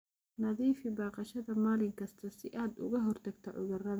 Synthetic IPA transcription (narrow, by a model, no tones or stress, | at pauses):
nɐðiːfɪbɑːqɑʃɐðɐmaːlɪŋkʰɐst̪ʰɐsɪʔaːd̪ʊ̰ɣɐɦɔrt̪ʰɐɡt̪ʰɐʕʊ̰ɣɐrɐðɐ